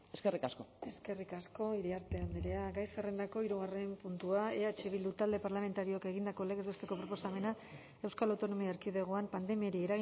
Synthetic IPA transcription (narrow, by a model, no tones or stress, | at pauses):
eske̞rikasko̞e̞ske̞rikasko̞iɾiaɾt̪e̞and̪iɾe̞aɡajsere̞nd̪ako̞iɾuɣ̞are̞mpunt̪uaeat͡ʃeβ̞ild̪ut̪ald̪e̞paɾlame̞nt̪aɾioke̞ɣ̞ind̪ako̞le̞ɣezβe̞st̪e̞ko̞pɾo̞po̞same̞na | e̞wskalawt̪o̞no̞miaeɾkið̞e̞ɣ̞oampand̪e̞miaɾieɾaɣi